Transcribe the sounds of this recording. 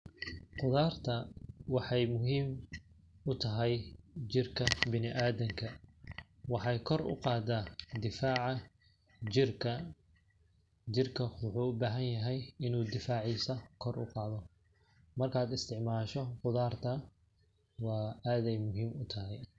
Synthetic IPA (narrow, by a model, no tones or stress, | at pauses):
qʊðaːrt̪ʰɐwɑħɑjmʊɦiːm | ʊt̪ʰɐɦɛjd͡ʒɪrkʰɐbɪnɪʔaːðɐŋkʰɐ | wɑħɑjkʰɔrʔʊ̰qɑːd̪aːd̪ɪfaːʕɑ | d͡ʒɪrkʰɐ | d͡ʒɪrkʰɐwʊħuːʊbaːɦɐnjɐɦɛjɪnuːd̪ɪfaːʕisɐkʰɔrʔʊ̰qɑːðɔ | mɐrkʰaːd̪ɪst̪ʰɪʕmaːʃɔqʊðaːrt̪ʰɐ | wɑːaːðɛjmʊɦiːmʊt̪ʰɐɦɛj